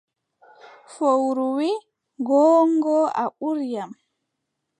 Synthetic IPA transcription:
fowɾuwi | ɡɔːŋɡɔa̰ʔuɾjam

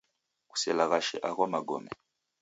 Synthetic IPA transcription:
ku̥sɛlaɣaʃɛ̰ʔaɣamaɡɔ̰mɛ

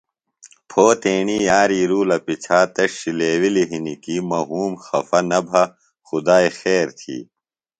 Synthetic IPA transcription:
pʰoːt̪eːɳijaːɾiːɾuːlɐpit͡ɕʰaːt̪ɐʂːileːwiliɦinikimɐɦuːmxɐfɐnɐbʱɐ | xud̪aːixeːɾt̪ʰḭː

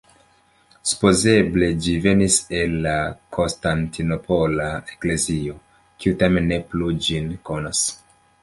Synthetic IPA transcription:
su̥poze̞ble̞d͡ʒive̞nise̞lːakʰo̞nstantʰino̞pʰo̞laekle̞zio̞ | kiutame̞nːe̞plud͡ʒinko̞nas

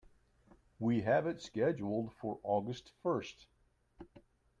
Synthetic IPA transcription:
wiɦævɨ̃ntskɛd͡ʒl̩ˠd̥fə˞ʔɔɡɨstfɜ˞st

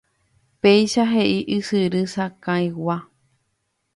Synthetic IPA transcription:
peiʃaɦeʔiʔɨsɨɾɨsakãĩwa

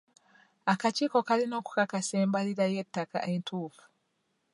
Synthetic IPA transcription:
akaciko̞kalino̞ːku̥kakaseːmbaliɾajetːaka̰ʔentʰuːfu̥

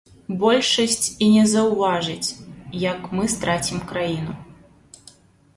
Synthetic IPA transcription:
bɔlʲʂɐsʲt͡sʲinʲɛzɐwvaʐɨt͡sʲjɐkmɨst̪ɾat͡sʲimkɾajin̪u

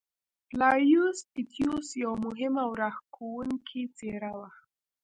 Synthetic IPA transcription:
plajusit̪ʰjusjawmʊɦɪmawɾahkuwʊŋkʰit͡seɾawa

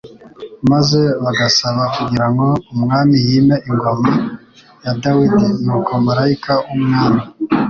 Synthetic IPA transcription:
maze̞βaɡasaβakuɡiɾaŋɡo̞umŋaːmijiːmeiŋɡo̞ma | jadawidinuːkomaɾaikʰaumŋaːmi

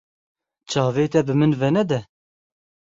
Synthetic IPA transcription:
t͡ʃʰɑːveːt̪ɛbɨmɨnvɛnɛd̪ɛ

